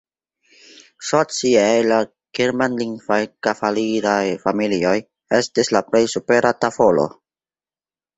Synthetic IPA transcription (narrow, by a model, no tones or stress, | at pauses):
sot͡siejla | kiɾmanliŋɡvajkafaliɾajfamilio̞j | e̞stislaple̞jsupe̞ɾʔatafolo̞̰